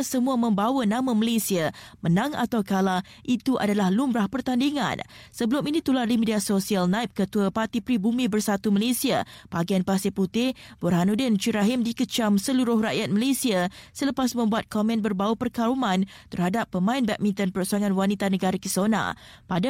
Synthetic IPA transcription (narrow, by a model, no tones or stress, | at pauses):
səmuamə̃mbawənãmãməlesiamənãŋa̰t̪awkala | ʔit̪uʔa̰dalahlumbɾahpərt̪andiŋã̰nsəbəlʊminĩt̪ulardimidiasosialnajp̚kət̪uəpat̪ipɾibumĩbərsat̪uməlesiapaɡianpasɪput̪ɪhb̥urɦanudɪnt͡ʃiɾaɦɪmdikət͡ʃamsəluɾʊhraʔjat̪̚məlesiasələpasmə̃mbuat̪̚kɔmɛ̃nbərbawəpərkaɾumãn | t̪ərhadapːəmãɪnbɛk̚mint̪ənpəɾosaŋanwanit̪anəɡaɾakisona̰pada